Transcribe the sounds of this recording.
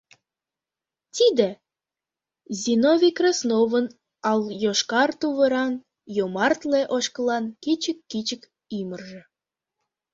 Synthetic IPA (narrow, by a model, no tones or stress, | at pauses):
t̪id̪ĕ | zʲinovʲikrɑsnoβən | ɑljoʃkɑrt̪uβəɾɑn | jomɑrt̪leʔoʃkəlɑnkit͡ɕəkːit͡ɕək | imərʒĕ